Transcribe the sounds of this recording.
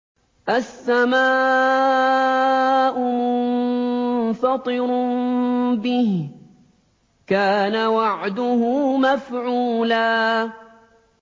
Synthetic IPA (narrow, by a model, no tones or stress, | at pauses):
ʔasːamaː | ʔʊmʊnnfɑt̪ˤɨɾ | bɪh | kaːnawaʕd̪ʊhʊmafʕuːlaː